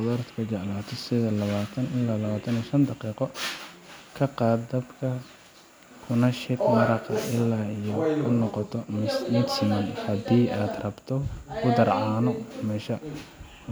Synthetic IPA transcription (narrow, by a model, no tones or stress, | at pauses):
ðɔɾt̪kʰɐd͡ʒɛʕlaːt̪ʰɔsɪðɐlɐβaːt̪ʰɐnɪlːaːlɐβaːt̪ʰɐnijʃɐnd̪ɑqiːqɔ | kʰɐqɑːd̪d̪ɐbkʰɐ | kʰʊnɐʃɪkmɐɾɑqɐʔɪlːaːijɔʊnɔqɔt̪ʰɔmʊnsɪmɐnhɐd̪iːʔaːd̪rɐbt̪ʰɔkʰʊd̪ɐrʕɑːnɔmɛʃɐ